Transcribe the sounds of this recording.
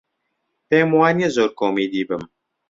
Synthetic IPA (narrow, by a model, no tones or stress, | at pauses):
peːmwaːnijezoːɾkoːmiːd̪iːbɨm